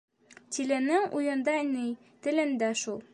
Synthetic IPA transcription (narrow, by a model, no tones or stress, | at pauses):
t̪ʲilɘ̆nɘŋujɤ̆nd̪ɑnɘj | t̪ɘ̆lɘ̆nd̪æʃulˠ